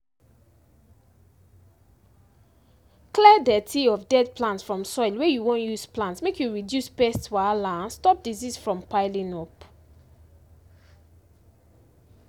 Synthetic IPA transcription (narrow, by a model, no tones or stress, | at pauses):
klɛdɛtʰiɔfdɛd̚pʰlãntsfɹɔ̃msɔjlwɛjuwõnjusplãntsmekʰjuɹidjuspɛstsalãnstɔp̚dizisfɹɔ̃mpaɪlĩŋɔp